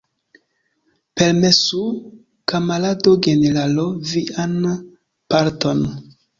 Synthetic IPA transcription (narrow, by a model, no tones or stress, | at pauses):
peɾmesu | kamaladoɡeneɾaloviʔan | paɾto̞n